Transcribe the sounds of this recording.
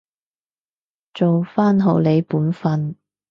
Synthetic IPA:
t͡so˨wfaː˥nɦo˨wle˨˧jpuː˨˥nfɐ˧n

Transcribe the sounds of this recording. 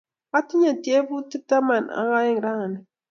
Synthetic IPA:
a˦ti˦ɲa˨tje˦bu˦ti˦ta˦ma˨na̰˦ɣa˦i˦ŋ˨ɾa˦˨ni˨

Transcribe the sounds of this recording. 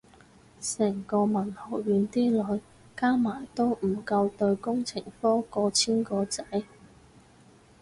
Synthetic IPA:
sɛː˨˩ŋkɔː˧mɐ˨˩nhɔː˨˩wɥyː˨˥nt̪iː˥lɔː˨˧j | kaː˥maː˨˩jt̪o˥wm̩˨˩kɐ˧wt̪ɵ˧ɥkʊ˥ŋt͡sʰɪ˨˩ŋfɔː˥kɔː˧t͡sʰiː˥nkɔː˧t͡sɐ˨˥j

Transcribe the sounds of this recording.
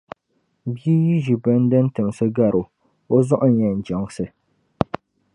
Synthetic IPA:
bji˦ji˦ʒi˨bɛ˦n˦dɨ˦n˦tɨ˨m˨sɨ˦ɡa˦˨ɾʊ˨ | o˦zɔ˦ʔʊ˦ɲɛ˨n̩˨d͡ʒɔ˨ŋsɨ˨

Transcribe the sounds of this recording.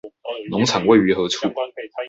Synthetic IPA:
nʊ˧˥ŋt͡sʰɑ˨˩ŋwe˥˩ɪy˧˥xɤ˨˧˥t͡sʰu˥˩

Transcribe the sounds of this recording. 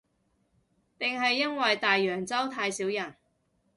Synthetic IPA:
t̪ɪ˨ŋɦɐ˨jːɐ˥nwɐ˨jt̪aː˨jːœː˨˩ŋt͡sɐ˥wt̪ʰaː˧jsiː˨˥wjɐ˨˩n

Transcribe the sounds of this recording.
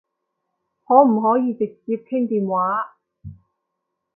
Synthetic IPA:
hɔː˨˥m̩˨˩ɦɔː˨˥jiː˨˧t͡sɪ˨k̚t͡siː˧p̚kʰɪ˥ŋt̪iː˨nwaː˨˥

